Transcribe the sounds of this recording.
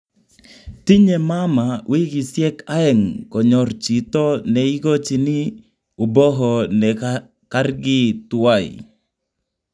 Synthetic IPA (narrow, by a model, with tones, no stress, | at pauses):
t̪i˦ɲe˨ma˦ma˨wi˦ɡi˨sjɛ˦ka˦ɛ˦ŋkɔ˨ɲɔ˨rt͡ʃi˨t̪ɔ˦nɛi˦ɡo˦t͡ʃi˨nɪ˦ | u˨bɔ˦ɦɔ˨nɛ˨ | ka˦rɡɪ˦t̪ʊwa˦˨ḭ˨